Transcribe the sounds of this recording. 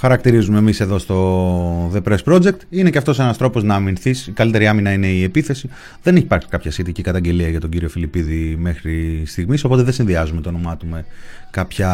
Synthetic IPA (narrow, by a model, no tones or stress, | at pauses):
xɐɾɐk̚t̪iɾizume̞mise̞ðo̞st̪o̞ðe̞pɾe̞spɾo̞d͡ze̞k̚t̪ineceɐft̪o̞senɐst̪ɾo̞po̞znɐːminθisikɐlit̪e̞ɾiɐminɐineie̞piθe̞si | ðe̞neçipɐɾksi̥kɐpçɐsçe̞t̪icikɐt̪ɐɲɟe̞liɐʝɐt̪oɟiɾio̞filipiðime̞xɾist̪iɣmiso̞po̞t̪eðesinðiɐzumet̪onomɐt̪ume̞ | kɐpçɐ